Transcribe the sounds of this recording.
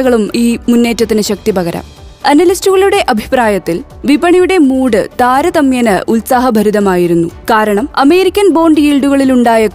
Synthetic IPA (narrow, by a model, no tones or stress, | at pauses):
ɐɣɐɭumiːmunːe̞ːtːɐt̪ːinɨɕɐk̚t̪ibɐɣɐɾɐ̰m | ɐnɐlistuɣɐɭuɽe̞ʔɐbʱi̥pɾaːjɐt̪ːil | ʋibɐɳijuɽe̞muːɽɨt̪aːɾɐd̪ɐmjɐnɐʔulsaɦɐbʱɐɾud̪ɐmaːjiɾunːukaːɾɐɳɐmɐme̞ːɾikʲːɐnbo̞ːɳɖɨjiːɭɖuɣɐɭiluɳɖaːjɐ